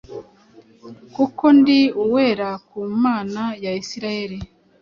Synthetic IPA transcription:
kuko̞ndiuwe̞ːɾakuːmaːnajaisiɾajeɾi

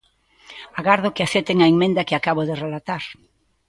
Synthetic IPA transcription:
aɣaɾðokɪaθet̪eŋaiŋmẽnd̪akɪakaβoðerelat̪aɾ

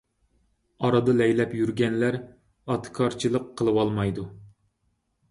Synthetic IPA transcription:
ɑɾɑd̪ɑlɛjlɛpjyɾɡʲɛnlæɾ | ɑt̪ʰkʰɑɾt͡ʃʰilˠəqʰːəlˠɨwɑlˠmɑjd̪u

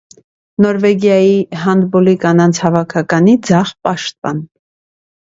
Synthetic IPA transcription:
nɔɾvɛɡjɑjiɦɑnd̪bɔlikɑnɑnt͡sʰhɑvɑkʰɑkɑnid͡zɑʁpɑʃt̪̚pɑ̰n

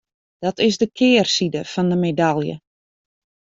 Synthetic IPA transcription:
d̥ɔtɪsdəkʰɪːrsidəfɑndəmedalˠjə̰

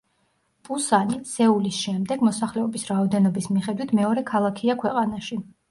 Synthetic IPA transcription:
pʼusanisɛulisʃɛmd̪ɛɡmɔsaχlɛɔbisɾaɔd̪ɛnɔbismiχɛd̪wit̪ʰmɛɔɾɛkʰalˠakʰiakʰwɛqʼanaʃi

